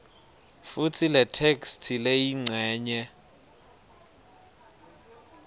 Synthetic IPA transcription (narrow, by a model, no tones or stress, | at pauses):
futʰilɛtʰekstʰilejiŋ͡ǀʱɛːɲɛ